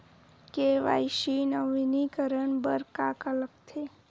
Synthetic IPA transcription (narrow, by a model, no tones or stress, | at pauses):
keʋa̰ːʃinəʋinikəɾəɳbəɾkakələkt̪ʰe